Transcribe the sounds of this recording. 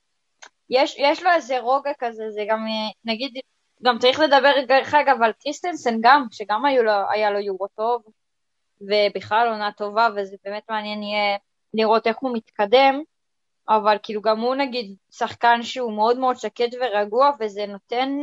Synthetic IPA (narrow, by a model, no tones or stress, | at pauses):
jeʃjeʃlo̞ezeʁo̞ɡakazezeɡamnaɡid̪ | ɡamt͡saʁiχle̞d̪abe̞ʁɡaχeɡavalkʁist̪ensenɡamʃeɡamajuloa̰jalo̞juʁot̪o̞v | ve̞biχlalo̞nat̪o̞vavezebeːme̞t̪meanjenije | liʁo̞t̪e̞χhumit̪kade̞m | avalkiːluɡamhunaɡid̪ | saχkanʃeumeo̞d̪me̞o̞d̪ʃaket̪ve̞ʁaɡuave̞ze̞no̞t̪e̞n